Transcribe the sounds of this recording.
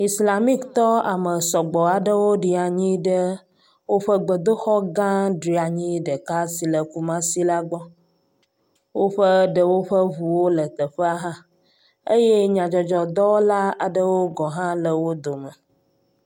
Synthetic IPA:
i˨sla˨mi˦kt̪ɔ˦a˨mə˨sɔ˨ɡ͡bɔ˨a˨ɖə˦wo˦ɖi˦a˨ɲĩ˦ɖə˦ | wo˦ɸə˦ɡ͡bə˨d̪o˦xɔ˦ɡã˦ɖɾi˨˦a˨ɲĩ˦ɖə˨ka˦si˨lə˨ku˦mã˦si˦la˦ɡ͡bɔ˦ | wo˦ɸə˦ɖə˨wo˦ɸə˦βu˨wo˦lə˨t̪ə˨ɸə˦a˦ɦã˦ | ə˦je˦ɲã˨d͡ʒɔ˨d͡ʒɔ˨d̪ɔ˦la˦a˨ɖə˦wo˦ɡɔ˨ɦã˦lə˨wo˦d̪o˨mə˨

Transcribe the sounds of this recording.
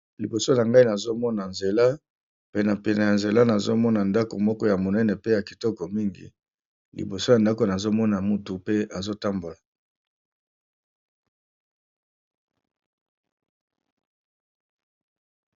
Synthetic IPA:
li˨bo˨so˦na˨ŋɡa˦i˦na˨zo˦mɔ˦na˨nze˨la˦ | pe˨na˨pe˨na˨ja˨nze˨la˦na˨zo˦mɔ˦na˨nda˦ko˨mɔ˦kɔ˦ja˨mo˨nɛ˦nɛ˨pe˦ja˨ki̥˨tɔ˦kɔ˨mi˦ŋɡḭ˨ | lḭ˨bo˨so˦ja˨nda˦ko˨na˨zo˦mɔ˦na˨mu˦tu˨pe˦a˨zo˦ta˦mbo˨la˨

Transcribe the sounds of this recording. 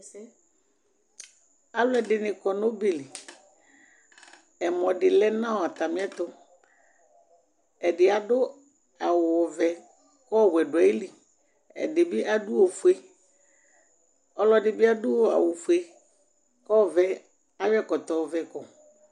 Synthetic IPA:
a˦lʊ˦ɛ˨dɪ˨nɪ̃˨kɔ˨no˦be˨li˨ | ɛ˨mɔ̃˨dɪ˨lɛ˦nã˦wo˨a˨t̪a˨mɪ̃˦ɛ˦t̪ɔ˦ | ɛ˨dɪ˨a˨dʊ˦ | a˨wʊ˨ɔ˨vɛ˨ | kɔ˦˨bɛ˨da˨e˦li˨ | ɛ̰˨dɪ˨bɪ˦ʔa˦du˦o˨fu˨e˨ | ɔ˦lɔ˨dɪ˨bɪ˦a˦dʊ˦o˨a̰˨wʊ˨fu˨e˨ | kɔ˦˨vɛ˦ | a˦wɛ˦kɔ˨t̪ɔ˨vɛ˨kɔ˨

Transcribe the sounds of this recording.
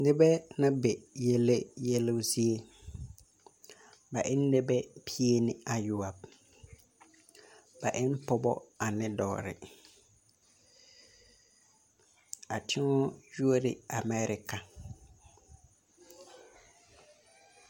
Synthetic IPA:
nɪ˦bɛ˦na˦bɛ˨je˦le˦jɛ˦lʊ˦si˦e˦ | ba˨ʔɪ˦nː˦ɛ˦bɛ˦pʰi˦e˦nɪ˦a˨ju˨a˨b̚ | ba˨ʔɪ˦m˦pɔ˦bɔ̰˦a˨nɪ˦dɔ̰ː˨ɾɪ̰˨ | a˨tʰɪ˦ŋɔ˦ju˦o˦dɪ̰˨a˨mɛ˦ɾɪ˨ka˨

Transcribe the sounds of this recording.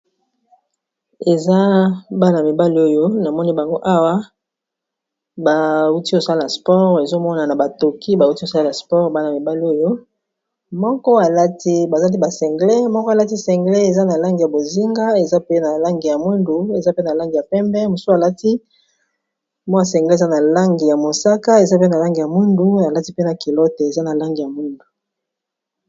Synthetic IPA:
e˨za˦ba˦na˨mi˨ba˦li˦o˦jo˦na˨mɔ˦ni˦ba˨ŋɡo˦ʔa˦wa˦ | ba˨u˦ti˦o˨sa˦la˨spɔ˦ʁe˨zo˦mɔ˦na˨na˨ba˨to˨kʰi˦ba˨u˦ti˦o˨sa˦la˨spɔ˦ʁba˦na˨mi˨ba˦li˨˦o˦jo˦ | mɔ˦kɔ˦a˨la˦ti˦ba˨za˦a˦t̬i˦ba˨sɛ˨ŋɡle˦mɔ˦kɔ˦a˨la˦ti˦sɛ˨ŋɡle˦e˨za˦na˨la˦ŋɡi˨ja˨bo˨zi˦ŋɡa˦e˨za˦pe˦na˨la˦ŋɡi˨ja˨mu˦ndu˨e˨za˦pe˦na˨la˦ŋɡi˨ja˨pɛ˦mbɛ˦mo˨su˦a˨la˦ti˦ | mɔ˦a˨s̬ɛ˨ŋɡlza˦na˨la˦ŋɡi˨ja˨mo˨sa˦ka˦e˨za˦pe˦na˨la˦ŋɡi˨ja˨mu˦ndu˦na˨la˦ti˦pe˦na˨ki˨lɔ˦te˨e˨za˦na˨la˦ŋɡi˨ja˨mu˦ndu˨

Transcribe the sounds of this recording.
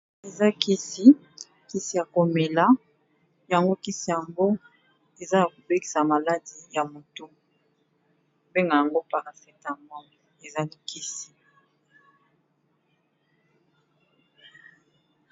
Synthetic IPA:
e˨za˦ki˦si˨ | ki˦si˨ja˨ko˨me˨la˦ | ja˨ŋɡo˦ki˦si˨ja˨mbo˦ | e˨za˦˨ko˨be˦ki̥˨sa˨ma˨la˦di˨ja˨mo˨to˦ | be˦ŋɡa˨ja˨ŋɡo˦pa˨ʁfɛ˦ta˨mbɔ˦ | e˨za˦li˦kʰi˦si˨

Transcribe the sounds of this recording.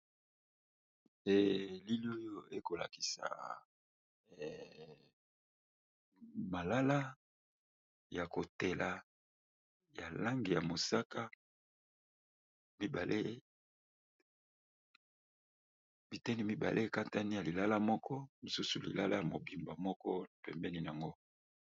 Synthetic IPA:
e˦li˦lo˦jo˦e˦ko˨la̰˨ki̥˨sa̰˨ | ma˨la˦la˦ | ja˨ko˨te˨la˨ | ja˨la˦ŋɡi˨ja˨mo˨sa˦ka˦ | mi˦ba˨lʔe˦ | bi˨tɛ˦ni˦mi˦ba̰˨lʔe˦ka˦ta˦ni˦ja˨li˨la˦la˦mɔ˦kʰɔ˦li˨su˦su˨lḭ˨la˦la˦ja˨mo˨bi˨mba˨mɔ˦kɔ˦˨pɛ˨mbɛ˦ni˦˨n˨a˨ŋɡo˦

